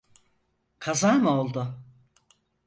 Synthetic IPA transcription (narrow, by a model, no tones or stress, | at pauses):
kʰazaːmolˠd̪ʊ